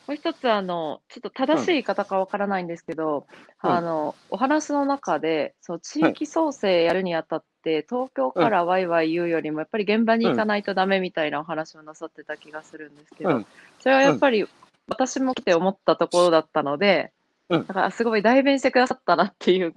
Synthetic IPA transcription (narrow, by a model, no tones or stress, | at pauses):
mo̞ːçi̥t̪o̞t͡sɨano̞t͡ɕo̞t̪ːo̞t̪ad̪aɕiːkat̪akaβ̞akaɾanaĩnd̪e̞sɨ̥ke̞d̪o̞ | ano̞ː | ɦanaɕino̞nakad̪e̞so̞not͡ɕiːkʲiso̞ːse̞ːjaɾɯ̟ɲ̟iat̪at̪ːe̞t̪o̞ːkʲo̞ːkaɾaβaiβaijɯ̟ːjo̞ɾʲimo̞japːaɾʲiɡẽ̞mbaɲ̟iːkanait̪o̞d̪ame̞mʲit̪ainao̞ɦanaɕio̞nasat̪ːe̞t̪akʲiɡasɨɾɯ̟̃nd̪e̞sɨ̥ke̞d̪o̞ | so̞ɾe̞βajapːaɾʲi | βat̪aɕimo̞kʲi̥t̪e̞o̞mo̞t̪ːat̪o̞ko̞ɾo̞d̪at̪ːano̞d̪e̞ | naka̰ɾa̰sɨɡo̞id̪aibẽ̞ɕi̥t̪e̞kɯd̪aat̪ːanat̪ːe̞jɯ̟ː